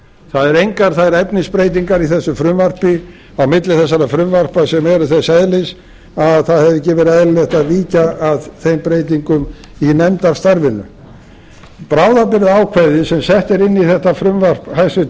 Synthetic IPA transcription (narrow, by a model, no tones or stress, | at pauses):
θaðɛɾejŋkaɾ̥θaðɛɾɛpnispɾeːjt̪̬iŋkaɾiθɛsːʏfɾʏmvar̥pɪ | awmɪt̪lɪθɛs̬ːaɾafɾʏmvar̥pasɛmɛɾʏθɛsajðlɪs | aðθaðhɛvɪcːɪvɛɾaðllɛht̪aðviːcaːðθejmpɾejt̪̬iŋkʏm | inɛmt̪aɾ̥st̪aɾvɪnʏ̰ | pɾaːwðapɪɾɪðaːwkʰvaðɪsɛmsɛht̪ɛɾɪnːiθɛht̪afɾʏmvar̥phajsɪ